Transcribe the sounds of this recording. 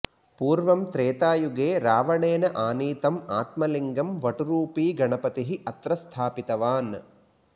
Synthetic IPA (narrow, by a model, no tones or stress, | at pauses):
puːɾʋɐmt̪ɾeːt̪aːjuɡeːɾaːʋɐɳeːnɐʔaːniːt̪ɐmaːt̪mɐliŋɡɐmʋɐʈuɾuːpiːɡɐɳɐpɐt̪iɦiʔɐt̪ɾɐst̪ʰaːpit̪ɐʋaːn